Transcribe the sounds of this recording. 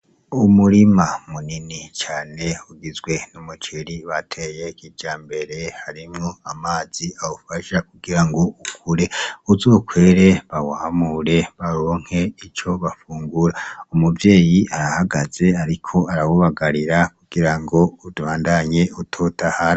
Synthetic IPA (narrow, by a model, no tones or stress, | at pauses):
umuɾimamuninit͡ʃaːne̞uɡizɡwe̞numut͡ʃiɾiβatʰe̞jekid͡ʒ̥aːmbe̞ɾe̞haɾimŋo̞amaːz̥iawufaʃak̚uɡiɾaŋɡo̞ukʰuɾe̞uzoːkʰwe̞ːɾe̞βawaːmuɾe̞βaɾo̞ːŋ̥he̞it͡ʃo̞βafuːŋɡuɾaumuvje̞ːjiaɾahaɡaz̥e̞aɾikʰo̞aɾawuβaɡaɾiɾakuɡ̥iɾaŋɡo̞udβaːndaɲe̞utʰotahaɾa